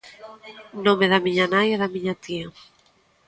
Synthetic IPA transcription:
nõmeðamiɲanajaðamiɲat̪ia

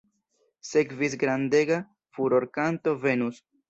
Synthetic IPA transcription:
se̞kvis̬ɡɾande̞ɡa | fuɾo̞ɾkanto̞ve̞nus

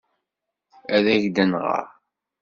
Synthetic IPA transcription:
æðæʝd̪ænʁə̰

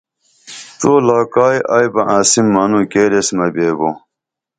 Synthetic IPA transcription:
t̪oːlaːkaːjaːjbɐʔãːsimːɐnũkeːɾesmɐbeːɡoː

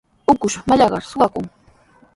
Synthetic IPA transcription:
ʊkʊʃmaʎɑɢɑ̰ɾsʊwakʊŋ

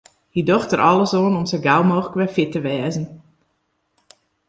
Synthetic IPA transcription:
hidoxtəɾʔɔləsoːnɔmsəɡawmoːxləkʋɛfɪtəʋɛːzən̩

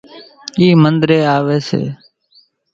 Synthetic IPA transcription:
iːmənd̪ɾeːaːʋeːsḛː

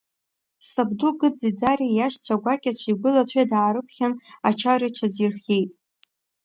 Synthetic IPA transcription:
sabduɡɨd͡zid͡zarijaʃt͡ɕʷʰaɡʷakʲʼat͡ɕʷʰiɡʷʊlat͡ɕʷʰajdaːɾɨpʰχʲanat͡ʃʰarit͡ʃʷʰazirχʲejtʼ

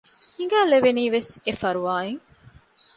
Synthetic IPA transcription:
iŋɡæːleʋeniːʋesefɐɾuʋaːeŋ

